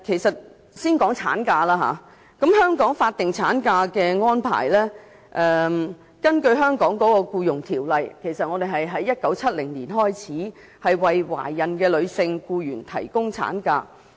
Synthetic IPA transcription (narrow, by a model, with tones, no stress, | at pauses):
kʰe˨˩jsɐ˨t̚ | siː˥nkɔː˨˥ŋt͡sʰaː˨˥nkaː˧laː˥ɦa̰ː˨˧ | kɐ˨˥mɦœː˥ŋkɔː˨˥ŋfaː˧t̚t̪ɪ˨ŋt͡sʰa̰ː˨˥nkaː˧kɛː˧ŋɔː˥npʰa̰ː˨˩jlɛː˥ | ʔɛː˨ | kɐ˥nkɵ˧ɥɦœː˥ŋkɔː˨˥ŋkɔː˨˥kɔː˧kuː˧jʊ˨˩ŋt̪ʰiː˨˩wlɐ˨jkʰe˨˩jsɐ˨t̚ŋɔ˨˧d̪e˨jɦɐ˨jɦɐ˨˥jːɐ˥t̚kɐ˨˥wt͡sʰɐ˥t̚lɪ˨˩ŋliː˨˩nɦɔː˥jt͡sʰiː˨˥ | hɐ˨jwɐ˨jwa̰ː˨˩jɐ˨nkɛː˧lɵ˨˧ɥsɪ˧ŋkuː˧jyː˨˩nt̪ʰɐ̰˨˩jkʊ˥ŋt͡sʰa̰ː˨˥nkaː˧